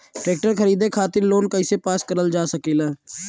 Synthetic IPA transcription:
ʈɾeːk̚ʈəɾkʰəɾiːd̪eːkʰaːt̪ɪɾloːnkəɪseːpaːskəɾəld͡ʒaːsəkiːlaː

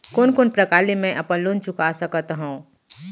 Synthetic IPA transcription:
koːnkoːnpɾəkaːlemɛ̃ʔɐpənlont͡ʃʊkasəkət̪ɦũ

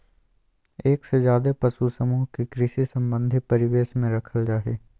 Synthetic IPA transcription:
eːksezjaːd̪epɐsusəmuɦkikɾɪʃisɐ̃mbə̃nd̪ʱipɐɾɪʋeːʃmẽɾɐkʰəld͡ʒaːɦeː

